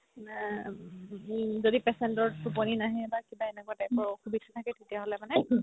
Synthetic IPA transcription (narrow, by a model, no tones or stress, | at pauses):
zodipɛsɛntɔɹtupɔninaɦɛ̃ːbakibaɛnɛkɔtɛpɔɹkʰubitʰḁtʰakɛtetijaɦolɛmanɛ